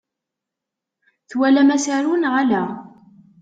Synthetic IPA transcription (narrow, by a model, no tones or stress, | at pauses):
θwælæmæsaɾunʁalæ